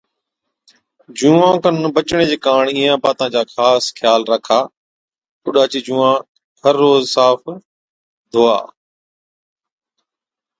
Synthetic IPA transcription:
d͡ʑũːãːkənbət͡ʃɽ̃ed͡ʑeːkaːɳiːãːpaːt̪ãːd͡ʑaːxʰaːskʰjaːlɾəkʰaː | kʊɗaːt͡ɕiːd͡ʑũːãː | həɾːoːzsaːf | d̪ʱoːa̰ː

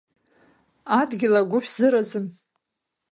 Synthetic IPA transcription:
adɡʲɪlaɡʷʊħʰzɨɾazɨn

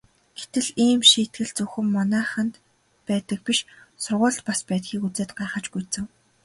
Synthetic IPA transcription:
ɡ̥et̪ɘ̆ɮiːmʃiːt̪̚ɡɘ̆ɮt͡sɵxɘ̆mːɔnæːχə̆nt̪ | pæːt̪ə̆k̚piʃsʊrʁʊːɮt̪paspæːt̪xiːkut͡seːt̪̚ɢaːχə̆t͡ɕɡujt͡sɘ̆ŋ

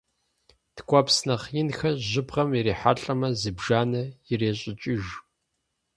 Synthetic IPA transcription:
tʰkʷʰʼɔpsnɐχjɪnxɐʑɪbʁɐmɪɾeːħa̰ɬʼɐmɐzɨbʒaːnɐjɪreːɕʼɪt͡ʃʼɪʒ

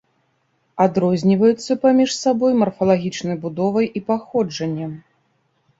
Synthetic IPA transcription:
ad̪ɾɔzʲnʲivɐjut̪sːɐpamʲiʂsabɔjmɐrfɐlˠaɣʲit͡ʂnɐjbud̪ɔvɐjʔipaxɔd͡ʐɐnʲːɐm

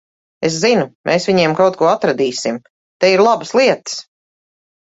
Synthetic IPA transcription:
es̬zinumʔeːsvʲiɲiɛmkawt̪̚kuɔat̪ɾad̪iːsim | t̪ɛiɾlˠabəslˠiɛt̪ə̥s

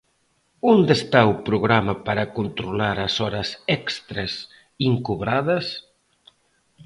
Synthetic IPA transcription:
und̪est̪aupɾuɣɾamɐpaɾɐkunt̪ɾulaɾɐsɔɾɐsɛkst̪ɾes | iŋkuβɾaðɐs

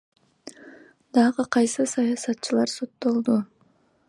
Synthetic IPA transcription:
d̪ɑʁɯqʰɑjsɨsɑjɑsɑt̪t͡ʃɯlˠɑɾso̞t̪ːo̞lˠd̪u

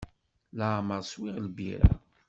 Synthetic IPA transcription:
laːməʁswiʁlbḭɾæ̰

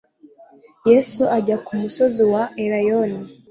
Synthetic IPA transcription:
jesuʔaɟakumuso̞ziwaeɾajoni

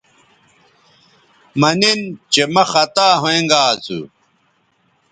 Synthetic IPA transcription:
mɐnint͡ɕemɐxɐt̪aːɦoẽŋɡaːt͡sṵ

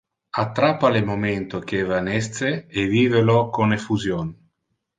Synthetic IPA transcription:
at̪ːɾapːalemoment̪ok̟evanɛst̪seeviːvelokonefuzjon

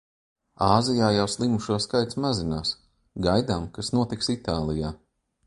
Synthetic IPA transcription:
aːzijaːjawslˠimuʃuɔskajt̪smazinaːs | ɡajd̪amkasnuɔt̪iksit̪aːlˠijaː

